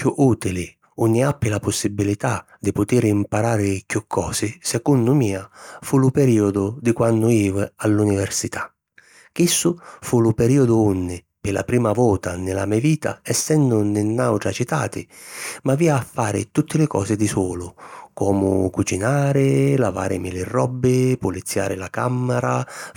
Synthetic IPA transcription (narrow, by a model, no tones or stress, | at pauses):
kuʔuːt̪ilɪ | unːɪapːɪlapʊsːibːilit̪a | d̪ɪpʊt̪iɾimpaɾaːɾɪkukʰːɔ̰ːsɪsɛkunːʊmiːafulʊpɛɾiːʊd̪ʊd̪ɪkwanːʊiːvalːunivɛrsit̪ḁ | k̟isːʊfulʊpɛɾiːɔd̪ʊunːɪ | pɪla̰pɾiːmavɔːt̪anɪlamiaviːt̪a̰ɛsːɛnd̪ʊnɪnːawʈɾat͡ʃit̪a̰ːt̪ɪ̰maviːaːfːaːɾɪ̰t̪ut̪ːɪlɪkɔ̰ːsɪd̪isɔːlʊkɔːmʊkut͡ʃinaːɾɪlava̰ːɾɪ̰mɪlɪrɔbːɪpulit̪sːja̰ːɾɪlakamːɛɾa